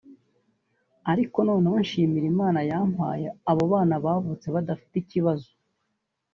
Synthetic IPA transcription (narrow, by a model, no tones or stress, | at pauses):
aɾiko̞noːneβanʃiːmiɾimaːnajaːm̥ha̰ːjeaβoβaːnaβaːvut͡se̞βad̪afi̥ticiβazo